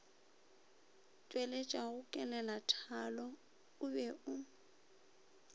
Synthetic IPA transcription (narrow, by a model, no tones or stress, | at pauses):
t͡ʃʼwelet͡ʃʼaɣʊkʼɛlɛlatʰalɔ | ʊbɛʔʊ